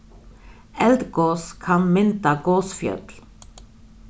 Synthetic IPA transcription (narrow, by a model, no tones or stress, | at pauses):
ɛld̪ɡoːskʰɑnmɪnt̪ɑɡoːsfjœ̰t̪l